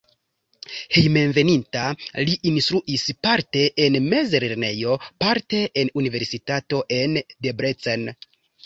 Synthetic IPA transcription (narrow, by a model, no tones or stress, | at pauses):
he̞jme̞nve̞nintaliʔinst̪ɾuʔispaɾte̞ʔenme̞zeleɾne̞jo̞paɾte̞ʔenunive̞ɾsitato̞ʔe̞nde̞bɾet͡sen